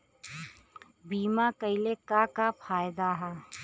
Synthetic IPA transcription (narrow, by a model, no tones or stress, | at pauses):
biːmakəɪlekakapʰaːjd̪aɦɛ